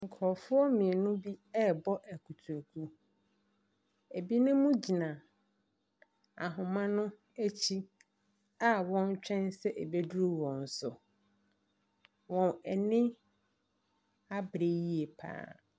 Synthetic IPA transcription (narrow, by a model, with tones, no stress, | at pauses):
ŋ̩˨kʰɔ˨fʊ˦ɔ˦mĩ˨nʊ̃˦bi˦ɛ˦bɔ˦ʔæ˨kʰu˨tʰu˨kʰu˦ | e˨bi˦nʊ̃˦mʊ̃˦d͡ʑi˨nã˨ | a̰˨ɦʊ̃˨mã˦nʊ̃˦ | æ˦t͡ɕʰi˦ | a˦wɔ̃˦n˦t͡ɕᶣɛ̃˦nsɛ˦ʔɛ˨be˦du˦ɾu˦wɔ̃˨n̩˨sʊ˨ | wɔ̃˨nɛ˨nɪ̃˦ | a˦bɾe˦ji˦e˨pʰa̰ː˦